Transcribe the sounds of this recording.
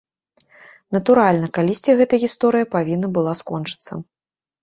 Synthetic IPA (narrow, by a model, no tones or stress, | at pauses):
nɐt̪uɾalʲnɐkalʲisʲt͡sʲiɣɛt̪ɐjɣʲist̪ɔɾɨjɐpavʲinːɐbɨlˠaskɔnt͡ʂɨ̥t̪sːɐ̰